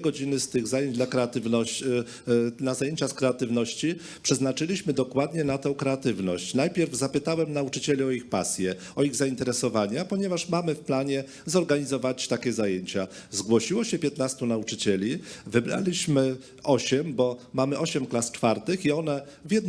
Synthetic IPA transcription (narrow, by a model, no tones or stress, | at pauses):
ɡɔd͡ʑinɘst̪ɘɣzajeɲd͡ʑd̪lakɾɛat̪ɘvnɔ | nazajeɲt͡ɕaskɾɛat̪ɘvnɔɕt͡ɕi | pʂɛznat͡ʂɘlʲiɕmɘd̪ɔkwad̪ɲɛnat̪ɛ̃w̃kɾɛat̪ɘvnɔ̰ɕt͡ɕnajpʲjɛɾvzapɘt̪awɛmnaut͡ʂɘt͡ɕɛlʲiɔixpa̰sʲjɛ | ɔiɣzaint̪ɛɾɛsɔvaɲapɔɲɛvaʂmamɘfplaɲɛ | zɔɾɡaɲizɔvat͡ɕt̪akʲɛzajeɲt͡ɕazɡwɔɕiwɔɕɛpʲjɛt̪nast̪unaut͡ʂɘ̥t͡ɕɛlʲivɘbɾa̰lʲiɕmɘ | ɔɕɛmbɔmamɘʔɔɕɛmklast͡ʂfaɾt̪ɘxiɔnɛ | vjɛd̪